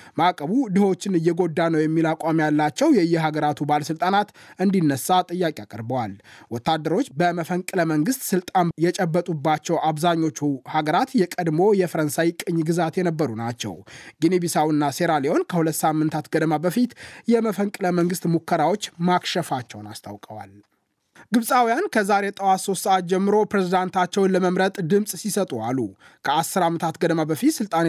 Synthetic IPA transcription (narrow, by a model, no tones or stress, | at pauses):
makʼəβud̪ɨho̞t͡ʃːɪnɨjːɛɡo̞d̪ːanəwjɛmːilakʷʼamjalːat͡ʃːɛwjɛɨjːɛɦaɡəɾat̪ʰubaləsɨlt̪ʼanat̪ɨnd̪inːəsːat̪ʼɨjːakʼiakʼəɾbəwalwɔt̪ːad̪ːəɾo̞t͡ʃːbəməfəŋkʼɨləməŋɡɨst̪ʼsɨlt̪ʼanjɛt͡ʃʼɛbːət̪ʼubːat͡ʃːɛwʔaβzaɲːo̞t͡ʃːuhaɡəɾat̪jɛkʼəd̪mo̞jɛfəɾənsajkʼɨɲːɡɨzat̪jɛnəbːəɾunat͡ʃːɛ̰wɡinebisawɨnːase̞ɾaleo̞nkʰəhulət̪ːsamːɨnt̪ʰat̪ɡəd̪əmabəfit̪jɛməfəŋkʼɨləməŋɡɨst̪mukːəɾawo̞t͡ʃːmakʃɛfat͡ʃːɛwnast̪ʰa̰wkʼəwa̰l | ɡɨβsʼawijankʰəzaɾet̪ʼəwaso̞st̪səʔat̪̚d͡ʒɛmːɨɾo̞pɾezid̪ant̪ʰat͡ʃːɛwnləməmɾət̪ʼd̪ɨmsʼsisət̪ʼualːu | kʰəasːɨɾamːət̪ʰat̪ɡəd̪əmabəfit̪sɨlt̪ʼan